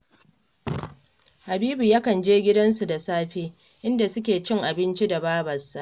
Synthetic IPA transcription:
ha˨biː˦bu˨jaː˦kɐ˨nd͡ʒeː˦ɡʲɪ˦dɐ˦nsu˨da˨saː˦ɸeː˦ | ʔɪ˦nda˨sʊ˦kʲeː˨t͡ʃɪ˦ŋʔa˨bɪ˦nt͡ʃi˦da˨baː˦bɐ˨sːa˨ʔ

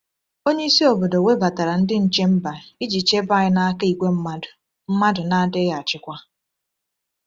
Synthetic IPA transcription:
o˦ɲe˦i˦si˦o˨bo˨do˨we˦ba˨ta˨ɾa˨n̩˦dɪ˦n̩˨t͡ʃe˦m̩˦ba˨i˦d͡ʒi˨t͡ʃe˦ba˦˨ɪ˦na˦ka˦i˨ɡʷe˦m̩˦m˦dʊ˨ | m̩˦ma˦dʊ˨na˦dɪ˦ɣa˨a˨t͡ʃɪ˦kʷa˦

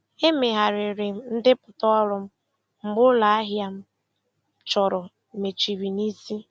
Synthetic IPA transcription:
e˦me˨ɦa˨ɾɪ˨ɾɪ˨˦n̩˦dɪ˦pʊ˨tɔ˦ɔ˦ɾʊ˦m̩˦ | ŋ͡m̩˦ɡ͡bʊ˦la˨a˦ɦja˦m̩˦ | t͡ʃɔ˨ɾɔ˨ | me˨t͡ʃi˨ɾi˨ni˦si˦

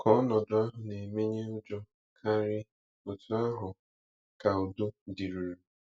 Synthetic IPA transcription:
kɔ˨˦nɔ˨dʊ˦a˦ɦʊ˨ne˨me˦ɲe˦ʊ˦d͡ʒɔ˦ | kʰa˦ɾɪ˦ | o˨tu˦a˦ɦʊ˨ | ka˨ʊ˨du˦di˨ɾu˨ɾu˨

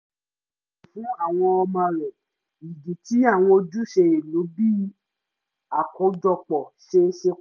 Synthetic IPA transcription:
fũ˨˦a˦˨w̃ɔ̃˧ɔ˧mã˧˨ɾɛ˨ | i˨ɡi˨ti˨˦a˦˨w̃ɔ̃˧o˧d͡ʒu˦ʃe˧e˨lo˨˦bi˦ | a˨kɔ˨˦d͡ʒɔ˦˧k͡pɔ˨ʃe˧ʃe˧

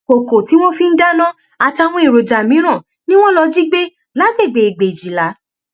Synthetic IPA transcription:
ko˨ko˨ti˦w̃ɔ̃˦fi˦n̩˦da˦nã˦ | a˨ti˧a˧˨w̃ɔ̃˧i˨ɾo˨d͡ʒa˨mĩ˨˦ɾ̃ã˦˨ | nĩ˦w̃ɔ̃˦lɔ˧d͡ʒi˦ɡ͡be˦ | la˨˦ɡe˦˨ɡ͡be˨i˨ɡ͡be˨i˨d͡ʒi˨la˨˦

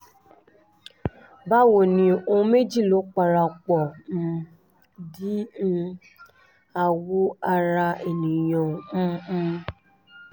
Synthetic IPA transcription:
ba˦wo˦˨nĩ˧õ˧me˦˨d͡ʒi˦˨lo˨˦k͡pa˧ɾa˧k͡pɔ̃˨ | di˦˧ | a˧wu˦a˧ɾa˧e˨nĩ˨jɔ̃˨˧˦

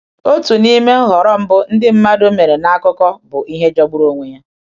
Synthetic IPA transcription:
o˦tu˨ni˦me˦ɦɔ˨ɾɔ˦m̩˦bʊ˦n̩˦dɪ˦m̩˦ma˦do˦me˨ɾe˨na˦kʊ˦kɔ˦bʊ˨i˦ɦe˦d͡ʒɔ˦ɡ͡bu˦ɾo˦ŋʷe˦ɲa˦

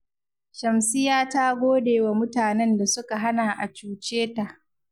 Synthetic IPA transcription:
ʃɐ˨msɪ˦jaː˦ta˦ɡʷoː˦deː˨wa˨mʊ˦taː˨nɛ˦nda˨sʊ˦ka˨ɦa˦na˨ʔa˨t͡ʃuː˨t͡ʃeː˦ta˨ʔ

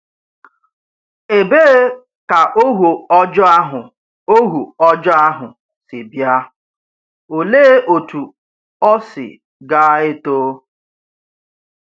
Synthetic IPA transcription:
e˨be˦ | ka˨ʔo˦ɦu˨ɔ˦d͡ʒɔ˦a˦ɦʊ˨ | o˦ɦu˨ɔ˦d͡ʒɔ˦a˦ɦʊ˨ | sɪ˨bja˦ | o˨leː˦ʔo˨tu˨ | ɔ˦sɪ̰˨ | ɡaː˦e˦toː˦

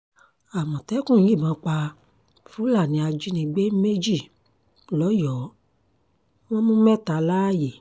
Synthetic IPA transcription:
a˨mɔ̃˨tɛ˨˦kũ˦˨ĩ˦˨mã˨˦k͡pa˧ | fũ˦la˦˨nĩ˨˧a˧d͡ʒi˦nĩ˧ɡ͡be˦me˦d͡ʒi˦˨ | lɔ˨˦jɔ˨˦ | w̃ɔ̃˦mũ˦mɛ̃˦˨ta˧la˦je˨

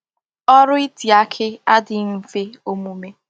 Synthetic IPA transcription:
ɔ˦ɾʊ˦i˦ti˨a˦kʰɪ˦a˦dɪ˨m̩˨fe˦o˦mu˦me˦

